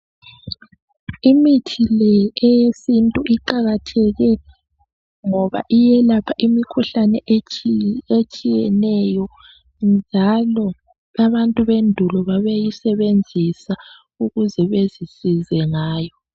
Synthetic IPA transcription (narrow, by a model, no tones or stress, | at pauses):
imitʰilɛɛjesintʼuʔiǃaɣatʰɛɣɛ | ŋɔβa̰ʔijɛlapʰaʔimikʰuɬanɛʔ | et͡ʃʼijɛnɛjɔ | nd͡ʒʱalɔ | aβantʼuβendʱulɔβaβejisɛβend͡zʱisa | uɣuzɛβezisizɛŋaːjɔ